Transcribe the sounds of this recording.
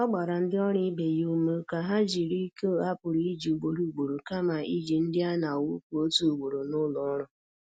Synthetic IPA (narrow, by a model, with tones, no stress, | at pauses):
ɔ˦ɡ͡ba˨ɾa˨n̩˦dɪ˦ɔ˦ɾi˦be˨ju˦u˦mo˦ka˨ɦa˦d͡ʒi˨ɾi˦ko˦a˦pʊ˨ɾi˦d͡ʒi˨u˨ɡ͡bo˨ɾu˨ɡ͡bo˨ɾo˨ka˦ma˨i˦d͡ʒi˨n̩˦dɪ˦a˦na˨u˦ku˨o˦tu˨u˨ɡ͡bo˨ɾo˨nʊ˦lɔ˨˦ɾʊ˨